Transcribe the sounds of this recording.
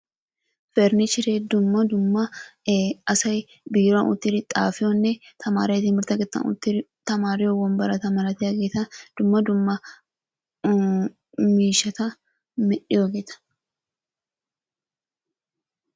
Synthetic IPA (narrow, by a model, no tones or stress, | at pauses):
fɛɾnɪt͡ʃɪɾɛd̪ʊmːɐd̪ʊmːɐ | ɐsɐj | bɪjɾonʔʊ̰t̪ːɪɾɪt̪ʼːaːfɪonːɛt̪ʰɐma̰ːɾɐt̪iːnmɪɾt̪ɐɡɛt̪ːɐ̰nʊ̰t̪ːɪt̪ɐmaːɾɪjowɐmbɐɾɐt̪ɐmɐɾɐt̪ɪɐɡet̪ɐd̪̥ʊmːɐd̪ʊmːɐ | miːʃɐt̪ɐ | mɛᶑɪjoɡet̪ɐ̥